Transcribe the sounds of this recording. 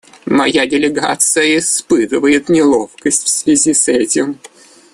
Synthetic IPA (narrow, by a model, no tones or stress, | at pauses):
mɐjadʲɪlʲɪɡat̪sɨjəɪspɨt̪ɨvəjɪt̪nʲɪlˠo̞fkəsʲtʲfsvʲɪzʲisɛtʲɪm